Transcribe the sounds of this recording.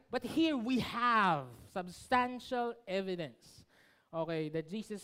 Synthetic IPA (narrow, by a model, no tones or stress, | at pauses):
b̥ʌt̚hiɹwiəvsəbstæ̃nʃəl̩ˠɛvɨɾɨ̃ns | oʊkeɪðɨt̚d̥ʒ̥izɨs